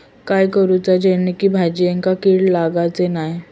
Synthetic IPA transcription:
kajkəɾut͡sad͡ʑenikiːbʱad͡ʑiːeŋkakiːɽlaɡat͡senaj

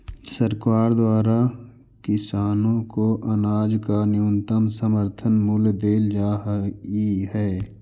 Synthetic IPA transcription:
səɾkaːɾd̪waːɾa | kɪsaːnõkoʔənaːd͡ʒkanjunt̪əmsəməɾt̪ʰənmʊld̪eːld͡ʒaːiɦɛː

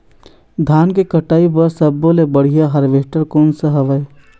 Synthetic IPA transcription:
d̪ʱaːnkekəʈaːipəɾsəbːolebəɽ̤ijaɦɐɾʋeːʈəɾkɔːnsəɦɐʋəe

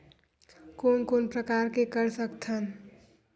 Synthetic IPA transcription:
koːnkoːnpɾəkaːɾkekəɾsəkt̪ʰən

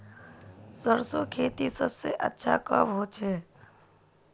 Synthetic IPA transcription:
səɾsokʰeːt̪isəbseʔə̰tːʃʰa̰kə̰bɦoːt͡ʃʰɛː

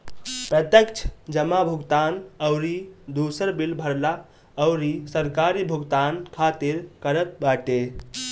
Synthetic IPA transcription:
pɾət̪jəkt͡ʃʰə̥d͡ʒəmabʱuɡt̪anəʊɾid̪usəɾbilbʱəɾla | əʊɾisəɾkaɾibʱuɡt̪ankʰat̪iɾkəɾət̪̚baʈe

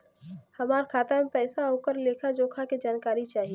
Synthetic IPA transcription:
hɐmaːɾkʰaːt̪amepɛːsaɦoːkəɾleːkʰad͡ʒoːkʰaked͡ʒaːnkaːɾit͡ʃaːɦie

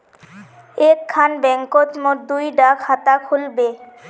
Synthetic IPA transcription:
ekʰːanbɛŋkot̪moʈ̚d̪ujɖakhat̪akʰulbe

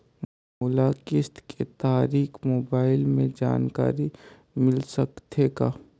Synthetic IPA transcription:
m | uːlakɪst̪kʰet̪aːɾiːkʰmoːbaːɪlmẽd͡ʒa̰ːnka̰ːɾi | mɪlsɐkt̪ʰeɡa̰ː

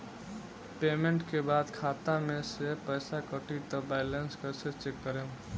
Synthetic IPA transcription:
pemeɳʈkebad̪kʰat̪amesepəjsakəʈit̪ɔbaɪlənskəɾset͡ʃekːəɾe

